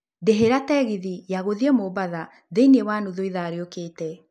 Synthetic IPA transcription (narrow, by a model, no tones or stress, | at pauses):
deɦeɾatɛɣiðijaɣoðiɛmobaða | ðeinewaːnuðoiðaːɾeokeːtɛ